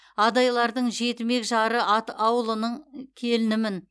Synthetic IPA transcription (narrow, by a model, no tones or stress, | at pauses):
ɑd̪ɑjlˠɑɾd̪əɴʒe̞t̪me̞kʒɑɾəʔɑt̪ɑwəlˠənəɴkʲʰe̞lɪnɪmɪn